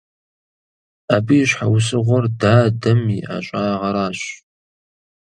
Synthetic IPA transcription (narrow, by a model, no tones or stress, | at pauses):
abiːɕħawʊsɨʁʷɔrdaːdɐmiʔa̰ɕʷʼaːʁɐɾaːɕ